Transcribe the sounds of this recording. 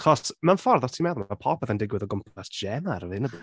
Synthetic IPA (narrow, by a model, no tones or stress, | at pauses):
kʰɔsmanfɔrðɔtʰimɛðɔmapʰɔpʰɔðandɪɡwɪðɔɡʊmpʰasʒ̥ɛmaɾəvɪnəbu